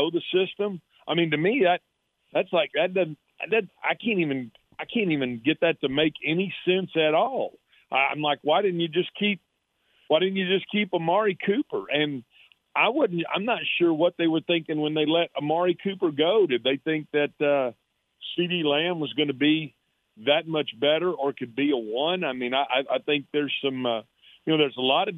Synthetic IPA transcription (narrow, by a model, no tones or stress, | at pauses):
oʊðɨsɪstə̃m | aɪmĩntɨmiðæt̪̚ | ðætslaɪk̚ðɨt̚ðʌ | ðɨta̰ɪkʰæ̃ntivɨ̃n | aɪkʰæ̃ntivɨ̃nɡɛt̪̚ðɨtʰɨmeɪkʰɛnisɛ̃nsɨɾɔlˠ | ʔaã̰ɪ̃mlaɪkwaɪɾɪdⁿn̩t͡ʃɨd͡ʒʌskʰip̚ | waɪɾɪdⁿn̩t͡ʃɨd͡ʒʌskʰipəmɑɹikʰʉpə˞ʔɨ̃n | ʔaɪwʊdⁿn̩tã̰ɪ̃mnətʃʊɹwʌt̪̚ðeɪwə˞θɪ̃ŋkɪ̃ŋwə̃nðeɪlɛɾəmɑɹikʰʉpə˞ɡoʊɾɨf̚ðeɪθɪ̃ŋk̚ðɨt̚ʌ | siɾilæ̃nwʌzɡʌnɨbi | ðɨt̚mʌt͡ʃb̥ɛɾə˞ə˞kʰɨd̚biəwʌ̃naɪmĩnaɪʔaɪʔa̰ɪθɪ̃ŋk̚ðə˞z̥sʌ̃mʌ | jɨnoʊðə˞zəlɔɾʌ